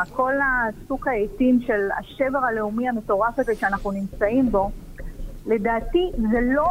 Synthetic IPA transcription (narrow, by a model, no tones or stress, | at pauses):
kʰo̞lasukaejtimʃe̞la̰ʃeveʁale̞umiame̞to̞ʁafezeʃeanaχnunimt͡saimbo̞ | le̞daːt̪izelo